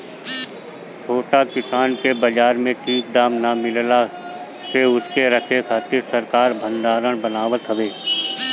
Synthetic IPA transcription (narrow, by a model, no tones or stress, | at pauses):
t͡ʃʰoːʈakɪsaːnkebəd͡ʒaːɾmẽʈʰiːk̚d̪aːmnamɪlla | seʊskeɾəkʰekʰaːt̪ɪɾsəɾkaːɾbʱə̃nd̪aːɾəɽ̃bənaːwət̪ɦəweː